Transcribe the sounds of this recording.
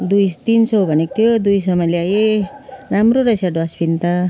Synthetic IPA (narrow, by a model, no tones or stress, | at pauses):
d̪ujt̪insʌwbʱʌnek̚t̪ʰijod̪ujs̬ʌmaleajeɾamɾoɾajsaɖoaspint̪a